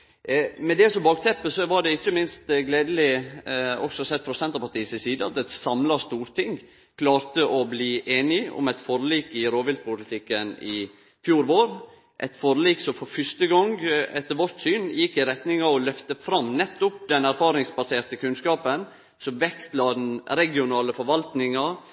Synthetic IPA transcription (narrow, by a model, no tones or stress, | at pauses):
mɛd̪ɛsɔbɑːɡ̚t̪ʰɛpːəsɔʋɑɖɛɪçːəmɪnst̪ɡleːd̪əlɪ | ɔ̰ksɔsɛt̪ːfɾɑsɛnt̪əɾpɑʈ̪iːsɪsiːd̪əɑ̰t̪ɛt̪sɑmlɑst̪uːɾt̪ʰɪŋ | kʰlɑːɾt̪əʔɔbliːʔeːnɪʊ̰mɛɪt̪fɔɾliːkɪɾoːʋɪld̪̚pʰʊlɪt̪ʰɪkːənɪ | fjuːɾʋoːɾ | ʔɛ̰ɪt̪fɔɾliːksɔmfɔɾfʏʂt̪əɡɔŋɛt̪ːəɾʋɔɾt̪syːnjɪkːɪɾɛt̪nɪŋɑɔlœft̪əfɾɑmːnɛt̪ːʊpd̪ɛnæɾfɑːɾɪŋsbɑseːɾt̪əkʰʉnskɑːpən | sɔmʋɛkt̪lɑd̪ɛnɾɛɡɪʊnɑːləfɔɾʋɑlt̪nɪŋɑ